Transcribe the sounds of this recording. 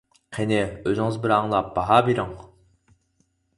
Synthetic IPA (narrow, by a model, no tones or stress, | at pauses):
qʰenɪøzɪŋɨzbɪɾɑŋlˠɑp̚bɑɦɑbiɾɪŋ